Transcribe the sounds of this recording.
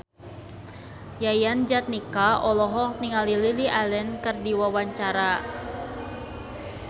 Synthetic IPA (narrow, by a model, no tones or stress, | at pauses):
jajand͡ʒat̪̚nikaʔɔlɔɦɔhniŋalililiʔalɛnkɨrdiwawaɲt͡ʃaɾa